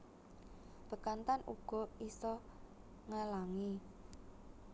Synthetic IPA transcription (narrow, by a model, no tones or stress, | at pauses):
b̥ə̤kant̪anuɡ̥ɔ̤isɔ | ŋalaŋi